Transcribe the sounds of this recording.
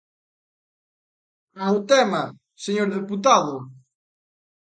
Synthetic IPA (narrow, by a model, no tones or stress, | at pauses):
awt̪ɛma | seɲoɾðeput̪aðʊ